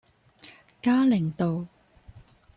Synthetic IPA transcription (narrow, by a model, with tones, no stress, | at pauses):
kaː˥lɪ˨˩ŋt̪o˨w